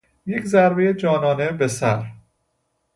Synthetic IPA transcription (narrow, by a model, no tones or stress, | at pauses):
je̞cʰzæɾbejed͡ʒɒːnɒːne̞be̞sæɾ